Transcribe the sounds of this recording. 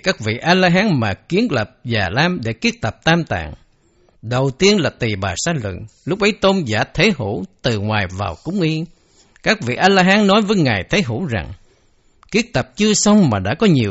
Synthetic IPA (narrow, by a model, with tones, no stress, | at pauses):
kaː˦˥k̚vḭ˧˨ʔaː˧laː˧ɦaː˨˦nmaː˨˩ki˨˦ənlə˨˩p̚zaː˨˩laː˧mɗḛ˧˥ki˦˥ət̚t̪ə˨˩p̚t̪aː˧mt̪a̰ː˧˨ŋ | ɗə˨˩wt̪i˧ənlaː˨˩t̪i˨˩ɓaː˨˩saː˧˥lwə̰˧˨ŋlʊ˦˥k͡p̚ʔə˨˦jt̪o˧nzaː˧˩t̪ʰe˨˦ɦṵ˧˥t̪ɨ˨˩ŋwaː˨˩jvaː˨˩wkʊ˨˦ŋ͡mʔi˧ | kaː˦˥k̚vḭ˧˨ʔaː˧laː˧ɦaː˨˦nnɔ˨˦jvəː˨˦jŋaː˨˩jt̪ʰə˨˦jɦṵ˧˥za̰˨˩ŋ | ki˦˥ət̚t̪ə˨˩p̚t͡ɕɨ˧əsa˧wŋ͡mmaː˨˩ɗa̰ː˧˥kɔ˨˦ɲi˨˩ə